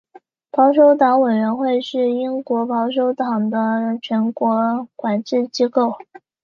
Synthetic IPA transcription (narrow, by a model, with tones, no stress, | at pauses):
pʰɑ˧˥ʊʂ̬o˧˥ʊt̪ɑ˧˥ŋwe˨˩ɪɥə˧˥nxwe˥˧ɪʂɻ̩˥˩i˥ŋkwɔ˧˥pɑ˧˥ʊʂ̬o˧˥ʊt̪ɑ˨˩ŋd̪ə˦t͡ɕʰɥɛ˧˥nkwɔ˧˥kwa˨˩nʈ͡ʂɻ̩˥˩t͡ɕi˥ko˥˩ʊ